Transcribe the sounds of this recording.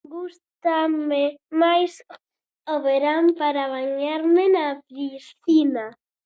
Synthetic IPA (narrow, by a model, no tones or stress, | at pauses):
ɡust̪amemajs | oβeɾampaɾaβaɲaɾmenapɾisθina